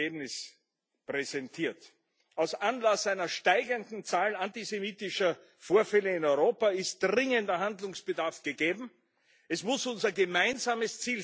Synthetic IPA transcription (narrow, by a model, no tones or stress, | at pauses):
eːbnɪs | pʁɛzɛntʰiːɐt | aʊsʔanlasaɪnɐʃtaɪɡəndn̩t͡saːlnantizemiːtɪʃɐ | foːɐfɛləɪnɔʏʁoːpaɪst̚d̥ʁɪŋəndɐɦandlʊŋsb̥ədaɐfɡ̥əɡeːbm̩ | ʔɛsmʊsʊnzɐɡəmaɪnzaːməst͡siːl